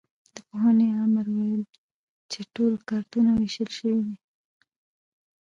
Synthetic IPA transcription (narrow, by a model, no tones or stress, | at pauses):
d̪əpoɦaneaməɾwajəl | t͡ʃeʈolkaɾt̪unaweʃəlʃəwid̪i